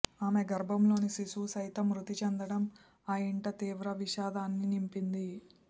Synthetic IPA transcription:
aːmeɡɐɾbʱɐmlo̞ːnisiʃuːsɐjt̪ɐmɾut̪it͡ʃɛnd̪ɐɽɐm | aːjiɳʈɐt̪iːʋɾɐʋiʃaːd̪aːnːinimpind̪i

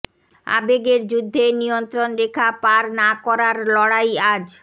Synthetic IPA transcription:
a̰beɡeɾd͡ʑud̪ʱːenijont̪ɾonɾekʰapaɾnakɔɾaɾlɔɽajad͡ʑ

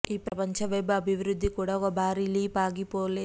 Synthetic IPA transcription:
iːpɾɐpɐɲt͡ʃɐʋɐjbuɐbʱiʋɾud̪ʱːikuːɽaːɔkɐbʱaːɾiːliːpaːɡipoːle

